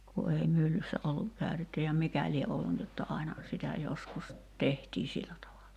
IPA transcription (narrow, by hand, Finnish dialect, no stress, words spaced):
ku ei mylːysːæ olːuk kæˑy̞tetːy jɑ mikæ lie olːu ni jotːɑ ɑinɑ sitæ joskus tehtiː silːæ tɑʋɑlɑ